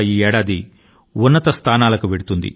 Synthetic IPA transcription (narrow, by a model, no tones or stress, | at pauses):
iːɛːɽaːd̪i | unːɐt̪ɐst̪ʰaːnaːlɐkuʋeɽut̪und̪ḭ